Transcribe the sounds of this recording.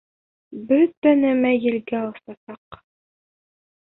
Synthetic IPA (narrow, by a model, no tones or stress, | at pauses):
bɵt̪ːænæmæjɘ̆lɡæɑlˠsɑsɑq